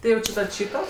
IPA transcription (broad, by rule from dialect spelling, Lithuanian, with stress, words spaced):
tʲɪ ˈjɛʊ t͡ʃʲɪ tɐt ˈʃʲiːtoː